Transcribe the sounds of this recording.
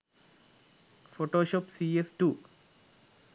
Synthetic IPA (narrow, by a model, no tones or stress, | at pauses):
foʈoːʃoːpsiesʈuː